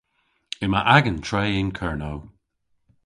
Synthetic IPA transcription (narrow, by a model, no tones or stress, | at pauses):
ɪmaʔaɡəntʰɹejɪnkʰɛɹnow